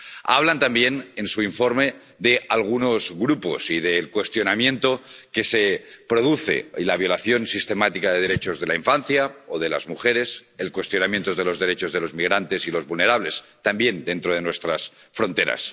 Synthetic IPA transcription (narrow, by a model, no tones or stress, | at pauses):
a̰βlant̪ambjenensuiɱfo̞ɾme̞ | ðealɣ̞uno̞zɣɾupo̞̰siðelkwe̞st̪jo̞namjẽ̞nt̪o̞ke̞sepɾo̞ð̞uθḛilaβ̞jo̞laθjo̞nsist̪e̞mat̪ikaðeðeɾe̞t͡ʃo̞zðelaiɱfanθjaoðe̞la̰zmuxe̞ɾe̞selkwe̞st̪jo̞namjent̪oðelo̞zðe̞ɾe̞t͡ʃozð̞e̞lo̞zmiɣ̞ɾant̪e̞silo̞zβulne̞ɾaβ̞le̞st̪ambje̞nd̪e̞nt̪ɾoð̞e̞nwe̞st̪ɾasfɾo̞nt̪e̞ɾa̰s